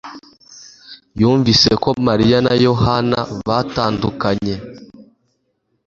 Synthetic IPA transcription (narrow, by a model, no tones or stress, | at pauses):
juːɱviseko̞maɾijanajo̞hanaβataːndukaɲe